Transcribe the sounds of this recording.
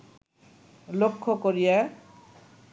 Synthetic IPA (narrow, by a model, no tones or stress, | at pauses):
lokʰːokoɾija